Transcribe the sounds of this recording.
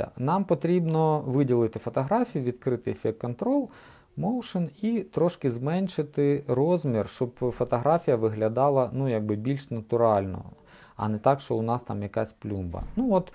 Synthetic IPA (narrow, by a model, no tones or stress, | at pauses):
ɐ̰nɑmpɔt̪ɾʲibnɔʋɪdʲilˠɪt̪ɪfɔt̪ɔɦɾɑfʲijʊʋʲid̪kɾɪt̪ɪfʲɛkkːɔnt̪ɾɔlˠ | mɔwʂɪnit̪ɾɔʃkɪzmɛnʲʃɪt̪ɪrɔzmʲirʃt͡ʃɔbfɔt̪ɔɦɾafʲijɐʋɪɦlʲɐd̪ɑlˠɐnujaɡ̚bɪbʲilʲʃnɐt̪ʊɾɑlʲnɔ̰ | ɐ̰nɛt̪ɑkʃt͡ʃɔʊnɑst̪ɑ̰mjɐkasʲplʲumbɐ̰nuɔt̪